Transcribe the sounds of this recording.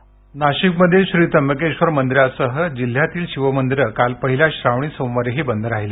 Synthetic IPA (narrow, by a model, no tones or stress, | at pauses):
naɕikməd̪ʱːjeɕuɾit̪əməkeɕʋəɾmənd̪iɾjasəɦəd͡ʑil̤ːjat̪iːlɕiʋəmənd̪iɾəkalpəɦiljaɕɾaʋɳ̃iːsõmʋəɾeɦiːbənd̪ʱəɾaɦiliː